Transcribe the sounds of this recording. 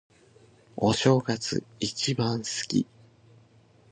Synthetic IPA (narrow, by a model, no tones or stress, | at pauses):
oɕo̞ːɡat͡sɨ̰it͡ɕibãɰ̃sɨ̥kʲḭ